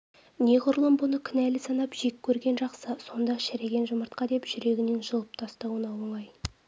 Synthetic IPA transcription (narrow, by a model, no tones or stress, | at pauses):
ne̞ʁʊɾlˠəmbʊnəkʲʰɪnælɪsɑnɑpʒekʲʰːɵɾɡʲe̞nʒɑqsəso̞nd̪ɑʃæɾe̞ɡʲe̞nʒʊməɾt̪̚qɑd̪e̞pʒ̥ʏɾe̞ɡʲɪneŋʒəlˠəp̚t̪ʰɑst̪ɑwənɑwəɴɑj